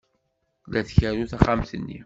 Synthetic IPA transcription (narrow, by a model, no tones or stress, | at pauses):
læθçæɾuθaχamθənːḭ